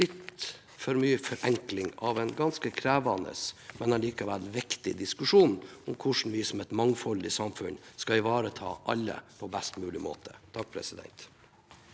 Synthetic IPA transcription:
lɪt̪ | fɔɾmyːəfɔɾʔɛŋklɪŋɑʋɛnɡɑnskəkʰɾæːʋɑnə̰smɛnɛnliːkɑʋælʋɪkt̪ɪd̪ɪskʉʂuːnɔmkʰʊʂn̩ʋɪsɔmɛt̪mɑŋfɔld̪ɪsɑmfʉnskɑɪʋɑːɾət̪ʰɑ̰ːʔɑlːə̰pʰɔbæst̪mʉːlɪmo̰ːt̪ʰə̥t̪ʰɑk̚ːpʰɾɛ̰sɪd̪ɛ̰nt̪

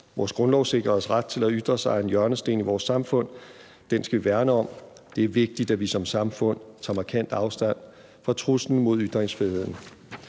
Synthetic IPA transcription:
ʋɒ̰ːsɡ̥ʁɔ̽nlɒʊse̝ɡ̥ʁɐsʁad̥̚t͡sʰe̝læyd̥ʁɐsɑ̈ɪe̝njɶɐnəsd̥e̝̰ːniʋɒːsːɑ̈mfɔ̽n̰ | d̥ensɡ̥æʋiʋæɐnəɒ̽m̰ | d̥e̝æɐʋe̝ɡ̥̚d̥id̥æʋisɒ̽msɑ̈mfɔ̽n̰t͡sʰɑ̈ːmɑ̈kʰæn̰d̥ɑ̈ʊsd̥æn̰ | fɒ̽t͡sʰʁusn̩mo̝ð̞ˠyd̥ʁeŋsfʁiðˠe̝ð̰ˠn̩

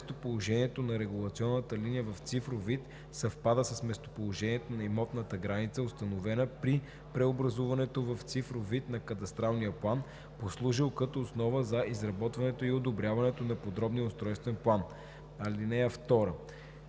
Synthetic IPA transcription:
st̪opolˠoʒɛniɛt̪onɐɾɛɡulˠɐt̪siɔnːət̪əlinijəvɐft̪sifɾovit̪ | sɐfpad̪əsɐsmɛst̪o̥polˠoʒɛniɛt̪onɐimɔt̪nət̪əɡɾanit̪səost̪ɐnovɛnəpɾi | pɾɛobɾɐzuvɐnɛt̪ovɐft̪sifɾovit̪nɐkɐt̪ɐst̪ɾalˠnijəplˠan | poslˠuʒilˠkɐt̪oːsnɔvəzɐizɾɐbɔt̪vɐnɛt̪oiod̪obɾʲjavɐnɛt̪onɐpod̪ɾɔbniəʊst̪ɾɔjst̪vɛnplˠan | ɐlinɛɛft̪ɔɾə

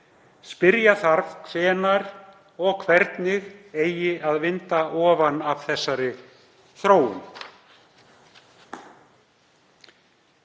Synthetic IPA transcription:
spɪɾjaθaɾfksɛːnaɾ̥ | ɔɣkʰvɛɾt̪nɪɣeːjɪaðvɪnt̪aʔɔːvanav̥θɛsːaɾɪ | θɾoːwʏ̰n

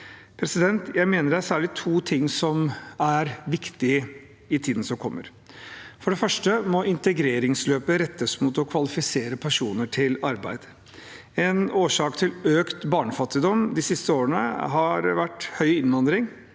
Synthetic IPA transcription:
pʰɾɛsɪd̪ɛnt̪jæɪmeːnəɾæsæːɭɪt̪ʰuːt̪ʰɪŋːsɔmæɾʋɪkt̪ɪ | ɪt̪ʰiːd̪n̩sɔmkʰɔmːə̰ɾ | fɔɖɛfœʂʈəmɔɪnt̪əɡɾeːɾɪŋsløːpəɾɛt̪ːəsmut̪ɔkʰʋɑlɪfɪseːɾəpʰæʂuːnəʈʰɪlɑɾbæ̰ɪd̪̥ | ɛnoːʂɑːkt̪ʰɪløːkt̪bɑːɳəfɑt̪ːɪd̪ɔmd̪ɪsɪst̪əoːɾənə̰ɦɑɾʋæʈːhœʏɪnʋɑnd̪ɾɪŋ

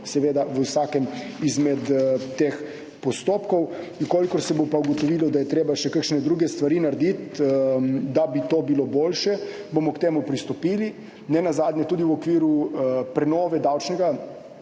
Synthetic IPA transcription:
sɛʋeːd̪aʋəsaːkɛm | izmɛt̪t̪eːx | pɔst̪oːpkɔw | ikoːlikɔɾsɛbopauɡɔt̪ɔʋiːlɔd̪ajɛt̪ɾeːbaʃɛkəkʃnɛd̪ɾuɡɛst̪ʋaɾiːnaɾd̪it̪ | d̪abit̪oːbiloboːlʃɛ | bomɔkt̪eːmupɾist̪ɔpiːli | nɛnazaːd̪ɲʲɛt̪uːd̪iwɔkʋiːɾupɾɛnɔːʋɛd̪awt͡ʃnɛɡa

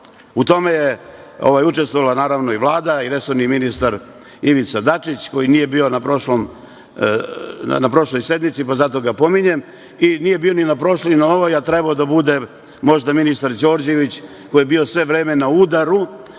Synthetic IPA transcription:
ut̪o̞me̞jeo̞̰ʋajut͡ʃest̪ʋoʋalˠanaːɾaʋno̞iʋlˠaːd̪aiɾe̞soɾniminist̪aɾ | iʋit̪sad̪at͡ʃit͡ɕko̞jinije̞bio̞napɾoʃlom | napɾo̞ʃlˠo̞jsje̞d̪mit̪sipazat̪o̞ɡapo̞miɲe̞m | inije̞bio̞ninapɾo̞ʃlinaoʋojat̪ɾebaod̪abud̪e̞ | mo̞ʒd̪aminist̪aɾd͡ʒo̞ːɾd͡ʑe̞ʋit͡ɕ | ko̞jebio̞sʋe̞ʋɾeːme̞naud̪aɾu

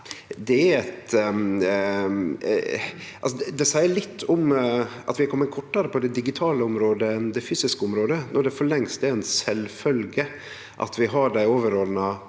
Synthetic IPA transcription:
d̪ɛæɾɛt̪ | ɑlsɔd̪ɛd̪ɛsæɪəɭɪt̪ʰːʊm | ɑ̰t̪ʋɪɛkʰɔmːəkʰɔʈːəɾəpʰɔd̪ɛd̪ɪɡɪt̪ʰɑːləʊmɾoːd̪əɛnd̪ɛfyːsɪskəʊmɾoːd̪ənɔɖɛfɔɭɛŋst̪ɛɛnsɛlfœlɡə | ʔɑ̰t̪ʰʋɪɦɑɖæɪoːʋəɾoːd̪nɑ

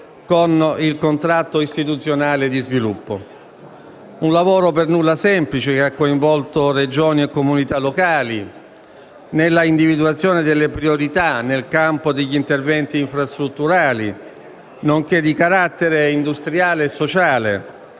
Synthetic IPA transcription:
konilkont̪ɾat̪ːoist̪it̪ut̪sːjonaːled̪izvilupːo̰ | unlavoːɾopernulːasɛmplit͡ʃekeakːoiɱvɔlt̪ored͡ʒoːniekːomunit̪alːokaːli | nelːaind̪ivid̪uat̪sːjoːned̪elːepɾioɾit̪anelkampod̪eʎːint̪ervɛnt̪iːɱfɾast̪ɾut̪ːuɾaːlḭ | noŋk̟ed̪ːikaɾat̪ːeɾeind̪ust̪ɾjaːleːsːot͡ʃaːlḛ

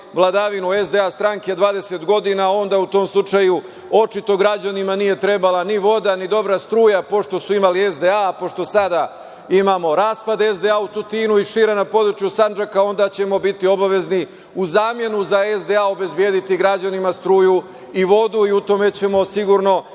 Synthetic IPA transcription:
ʋlˠad̪aʋinuezd̪e̞ast̪ɾaŋke̞d̪ʋaːd̪e̞se̞t̪ɡo̞d̪inao̞nd̪aut̪o̞ːmslˠut͡ʂaju | o̞t͡ʃit̪o̞ɡɾad͡ʑanimanije̞t̪ɾe̞balaniʋo̞d̪anid̪o̞bɾast̪ɾuːjapo̞ʃt̪o̞suimaliezd̪eapo̞ʃt̪o̞sad̪a | imamo̞ɾaːspad̪ezd̪e̞aut̪ut̪iːnuiʃiːɾanapo̞d̪ɾut͡ʃjusand͡ʒakao̞nd̪at͡ɕe̞mo̞bit̪io̞baʋe̞zni | uzaːmje̞nuzaezd̪e̞ao̞be̞zbjeːd̪it̪iɡɾad͡ʑanimast̪ɾuːju | iʋo̞d̪uiut̪o̞me̞t͡ɕe̞mo̞siɡuɾno̞

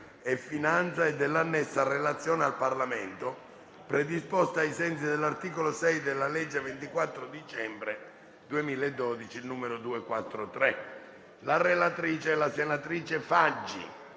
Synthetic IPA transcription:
ɛfːinant̪saed̪ːelːanːɛsːarelat̪sːjɔːnealparlamɛnt̪o | pɾed̪ispɔst̪aːjsɛnts̬id̪elːart̪iːkolosɛjd̪elːalɛd͡ʒːevent̪ikwat̪ːɾod̪it͡ʃɛmbɾe | d̪uemiːlaed̪ːɔd̪it͡ʃilnuːmeɾod̪uːekwat̪ːɾot̪ɾɛ | larelat̪ɾiːt͡ʃɛlasenat̪ɾiːt͡ʃefad͡ʒːḭ

